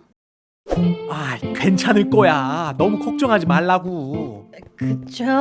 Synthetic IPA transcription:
aikwe̞nt͡ɕʰanɯɭk͈ojanʌmukʰok̚t͡ɕ͈ʌŋɦad͡ʑimaɭːaɡu | kɯt͡ɕʰo

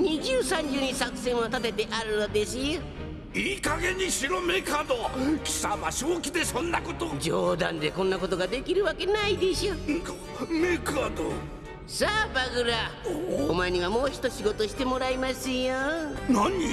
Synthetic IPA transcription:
ɲ̟iʑɨːsãɲ̟d͡ʑɨːɲisakɯ̟̥sẽɰ̃ot̪at̪e̞t̪e̞ʔaɾɯ̟nod̪e̞sɨjo | iːkaɡe̞ɲ̟iɕiɾomekaːd̪okʲi̥samaɕokʲid̪e̞sõ̞nːako̞t̪od͡ʑoːd̪ãnd̪e̞kõ̞nːako̞t̪o̞ɡad̪e̞kʲiɾɯ̟βake̞naid̪e̞ɕok | mekɯad̪o | saːbaɡɯ̟ɾaomaeɲ̟iβamo̞ːçi̥t̪o̞ɕiɡo̞t̪o̞ɕi̥t̪e̞mo̞ɾaimasɨjonaɲ̟i

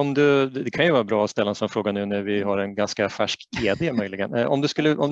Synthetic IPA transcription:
ɔmd̪ɵɛd̪ɛkʰanjɵvɑːɾabɾɑːɔst̪ɛlːaɛnsɔmfɾoːɡanʉːnæɾvɪɦaɾɛnɡanskafæʂkɡeːd̪emœʏjlɪɡənʔɔ̰md̪ɵskɵlːəʔɔ̰m

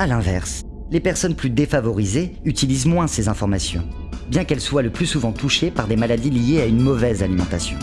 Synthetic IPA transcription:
alɛ̃vɛʁs | lepɛʁsɔnplyd̪efavɔʁizeyt̪ilizmwɛ̃sezɛ̃fɔʁmasjɔ̰̃ | bjɛ̃kɛlswaləplysuvɑ̃t̪uʃepaʁd̪emalad̪ilijeaynmɔvɛzalimɑ̃t̪asjɔ̃

